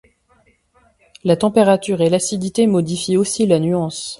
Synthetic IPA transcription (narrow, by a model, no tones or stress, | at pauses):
lat̪ɑ̃peʁat̪yʁelasid̪it̪emɔd̪ifiosilanyɑ̃s